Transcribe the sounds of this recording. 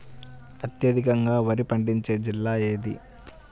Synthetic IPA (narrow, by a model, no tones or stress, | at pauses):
ɐt̪jɐd̪ʱikɐŋɡaːʋɐɾipɐɳɖiɲt͡ʃe̞ːd͡ʒilːaːeːd̪ḭ